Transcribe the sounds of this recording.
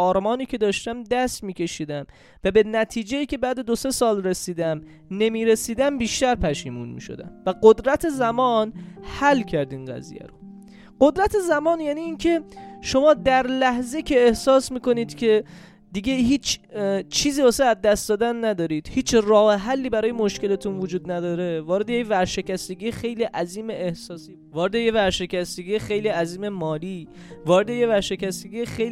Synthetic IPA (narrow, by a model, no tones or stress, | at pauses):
ɒːɾmɒːniːcʰe̞d̪ɒːʃt̪æmd̪æst̪miːcʲe̞ʃiːd̪æm | væbe̞næt̪ʰiːd͡ʒe̞jiːcʲe̞bæːd̪e̞d̪ose̞sɒːlresiːd̪æm | ne̞miːɾe̞siːd̪æmbiːʃt̪æɾpʰæʃiːmṵnmḭːʃo̞̰d̪æ̰mvæɡod̪ɾæt̪ʰezæmɒːnhælːcʰæɾd̪iːnɢæ̰zḭjæ̰ɾo | ɢ̥od̪ɾæt̪ʰezæmɒːnjæniːncʰe̞ʃo̞mɒːd̪æɾlæhzecʰeːhsɒːsmiːko̞niːd̪̥cʰe̞ | d̪iɡeɦiːt͡ʃʰt͡ʃʰiːziːoseæzd̪æst̪d̪ɒːd̪ænːæd̪ɒːɾiːd̪̥hiːt͡ʃʰrɒːheɦælːiːbæɾɒːjemo̞ʃke̞let̪ʰunvod͡ʒuːd̪næd̪ɒːɾe̞vɒːɾe̞d̪ejecvæɾʃe̞cæst̪eɡiːjexe̞jliːʔæziːmeʔːhsɒːsiː | vɒːɾed̪e̞jevæɾʃe̞cæst̪eɡiːjexejliːæziːme̞mɒːliː | vɒːɾed̪ejevæɾʃe̞cæst̪eɡʲijexej